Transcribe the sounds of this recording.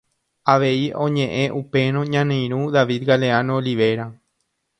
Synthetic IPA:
aʋe̞iõ̞ɲẽ̞ʔẽ̞ʔupe̞ñõɲãnẽj̃ɾ̃ũðaʋid̪ɡaleanooliʋe̞ɾa

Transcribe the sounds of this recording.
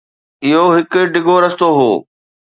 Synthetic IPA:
ɪɦoɦɪkʊ̆ɖɪɡʱoɾɐst̪oɦoː

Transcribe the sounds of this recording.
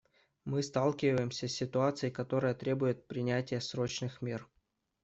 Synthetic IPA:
mɨst̪alˠkʲɪvəjɪmsʲəsʲːɪt̪ʊat̪sɨjɪkɐt̪o̞ɾəjət̪ɾʲebʊjɪt̪̚pɾʲɪnʲætʲɪjəsɾo̞t͡ɕnɨxmʲer

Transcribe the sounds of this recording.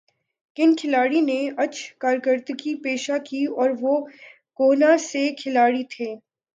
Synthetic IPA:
kɪnkʰɪlaːɽineɐt͡ʃʰkaːɾkəɾt̪kipeːʃakiɔːɾʋo | koːnasekʰɪlaːɽit̪ʰeː

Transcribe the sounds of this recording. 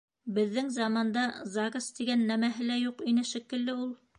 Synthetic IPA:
bɘ̆ðːɘŋzɑmɑnd̪ɑzɑkɑst̪iɡænːæmæɦɘ̆læjuqinɘʃɘ̆kɘ̆lːɘulˠ

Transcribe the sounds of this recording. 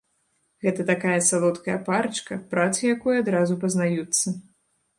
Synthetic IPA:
ɣɛt̪ɐt̪akajɐsalˠɔt̪kɐjɐpart͡ʂkɐpɾat̪sɨjakujad̪ɾazupɐznajut̪sːɐ

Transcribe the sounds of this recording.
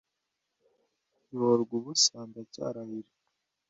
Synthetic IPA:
iβoɾɡuβusaːndaca̰ːɾahiɾi

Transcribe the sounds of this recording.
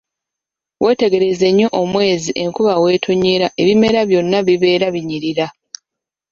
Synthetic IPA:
wʔe̞ːte̞ɡe̞ɾe̞ze̞ɲːo̞ʔomwe̞ːziʔe̞ŋkuβawe̞ːtʰo̞ɲeɾaʔe̞βime̞ɾaβjo̞nːaβiβe̞ːɾaβiɲiɾiɾa

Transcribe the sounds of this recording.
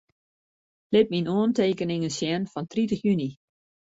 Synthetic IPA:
lɪp̚minoənteːkənɪŋənsjɛnfɔntritəχjyni

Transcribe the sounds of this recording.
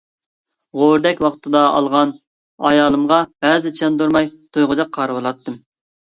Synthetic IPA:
ʁoɾd̪ɛkʲwɑqt̪ʰɨd̪ɑɑ̰lˠʁɑn | ɑjɑːlˠɨmʁɑb̥æzɪt͡ʃʰɑnd̪uɾmɑjt̪ʰojʁʊd͡ʒ̪ɑqʰːɑɾɨwɨlˠɑt̪ːɨm

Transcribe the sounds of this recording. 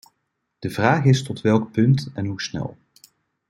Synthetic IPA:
d̥əvraːχɪstɔtʋɛlˠk̚pɵntɛnɦusnɛ̰lˠ

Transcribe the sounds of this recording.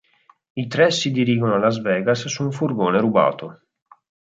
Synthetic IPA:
it̪ɾɛsid̪iɾiːɡonoalːazvɛːɡasːuːɱfurɡoːneɾuba̰ːt̪o

